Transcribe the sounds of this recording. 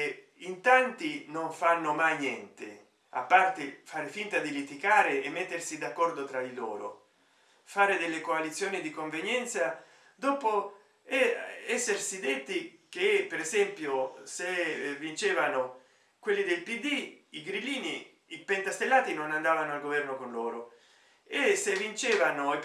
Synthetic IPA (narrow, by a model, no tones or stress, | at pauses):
int̪ant̪inoɱfanːomajnjɛnt̪ḛ | a̰pːart̪efaːɾefint̪ad̪ilit̪ikaːɾeemːet̪ːersid̪akːɔrd̪ot̪ɾad̪ilo̰ːɾo̰ | faːɾed̪elːekoalit̪sːjoːnid̪ikoɱvenjɛnt̪sa | d̪ɔːpo | ɛsːersid̪et̪ːik̟epeɾezɛmpjosevːint͡ʃeːvano | kwelːid̪elpid̪iiɡɾilːiːni | ipent̪ast̪elːaːt̪inonand̪aːvanoalɡovɛrnokonloːɾo | esevːint͡ʃɛːvano